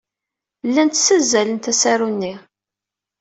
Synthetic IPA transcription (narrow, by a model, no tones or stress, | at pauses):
lːænt̪sæzːælənt̪æsæɾunːi